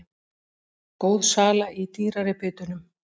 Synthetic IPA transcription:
koːwðsaːlaʔit̪iːɾaɾɪpʰɪːt̪ʏnʏm

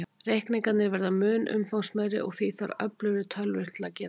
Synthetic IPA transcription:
rejhknɪŋkat̪nɪɾvɛɾðamʏːnʔʏ̰mfawŋsmɛðɾɪ̰ʔɔ̰ɣθiθa̰ɾœ̰plʏɾɪt̪ʰœlvɪr̥t̪lacɛːɾa

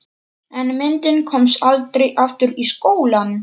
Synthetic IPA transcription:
ɛnmɪnt̪ɪnkʰɔmsalt̪ɾejʔaft̪ʏɾiskoːwlan

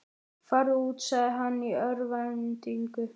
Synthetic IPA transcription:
faɾɪuːt̪saðɪɦanːiœɾvant̪iŋkʏ

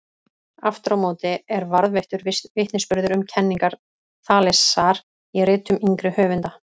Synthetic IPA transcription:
aft̪ɾawmoːwt̪ɪɛɾvaɾðvɛjht̪ʏɾvɪvɪht̪nɪspʏɾðʏɾʏmcʰɛnːiŋkaɾ̥ | θaːlɛsaɾ | irɪːt̪ʏmiŋkɾʏhœːvʏnt̪a

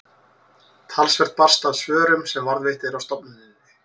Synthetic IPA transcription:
t̪ʰalsvɛɾ̥t̪̚pḁst̪aðsvœːɾʏmsɛmvaɾðvejht̪ɪɾawst̪ɔpnʏnɪnːɪ

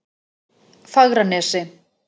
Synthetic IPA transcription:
faɣɾanesɪ

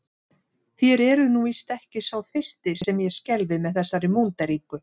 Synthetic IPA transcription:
θjɛɾɛɾʏnuist̪ɛhcɪsawfɪ̥st̪ɪɾ̥sɛmjɛscɛlvɪmɛðθɛsːaɾɪmownt̪aɾiːkʏ

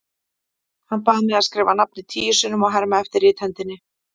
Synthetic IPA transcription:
hanpaːðmɛðaðskɾeːvanap̚nɪt̪ʰiːjʏsɪnʏmɔɣɦaɾmaɛft̪ɪɾɪːt̪hɛnt̪ɪnːɪ

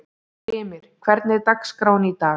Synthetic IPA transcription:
ɪːmɪɾ̥kʰv̥ɛɾt̪nɪɾt̪akskɾaːwnit̪aː

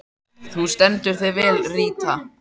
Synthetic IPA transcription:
θust̪ɛnt̪ʏɾ̥θevɛːlriːt̪a

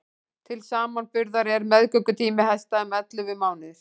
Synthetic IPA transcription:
t̪ʰɪlsaːmanfʏɾðaɾɛɾmɛðkœkːʏt̪ʰiːmɪɦajst̪aʏmɛt̪lʏvɪmaːwnɪθ

